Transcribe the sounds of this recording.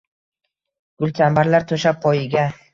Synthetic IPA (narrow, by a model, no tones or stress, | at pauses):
ɡ̥ʊlˠt̪ʰambaɾlaɾt̪ʰɵʃapʰːɒjɪɡʲa